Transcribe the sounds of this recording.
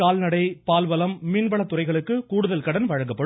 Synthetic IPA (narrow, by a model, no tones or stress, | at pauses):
aːlnɐɽɐɪpaːlʋɐlɐmːɪnʋɐlɐt̪ːʊrɐɪɣɐɭɯkːɯkuːɽɯðɐlkɐɽɐnʋɐɻɐŋɡɐpːɐɽ